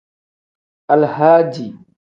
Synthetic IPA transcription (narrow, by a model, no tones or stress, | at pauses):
ʔalhaːd͡ʒi